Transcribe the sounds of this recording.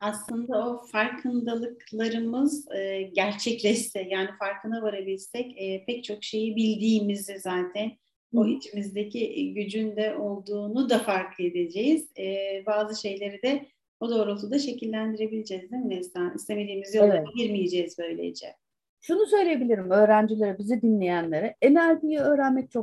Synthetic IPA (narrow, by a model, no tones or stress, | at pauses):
aslˠɯnd̪ao̞faɾkʰɯnd̪alˠɯklˠaɾɯmɯzɯːɟæɾt͡ʃʰɛclʲɛʃt̪ɛjaːnifaɾkʰɯnavaɾabilʲsɛcːpʰɛc̚t͡ʃʰo̞kʃe̞jibilʲd̪iːmizd̪ɛzaːt̪ʰæn | oɦit͡ʃʰimizd̪ecʰiʔɟyd͡ʒynd̪ɛʔo̞lˠd̪uːnud̪afaɾkʰɯe̞d̪e̞d͡ʒejiz̥ːbaːzɯʃe̞jlʲe̞ɾid̪ɛ | od̪o̞ːɾot̪ʰud̪aʃe̞cilʲːænd̪iɾe̞bilʲed͡ʒɛzd̪imd̪ɛst̪anḭst̪emed̪iːmizijoaaɟiɾmijed͡ʒejizbø̞jlʲḛd͡ʒɛ̰ | ʃunusø̞jlʲejebilʲiɾimø̞ːɾænd͡ʒilʲeɾɯbizid̪inlʲe̞jænlʲeɾɯɛnælʲd̪ijiø̞ːɾænmɛc̚t͡ʃʰo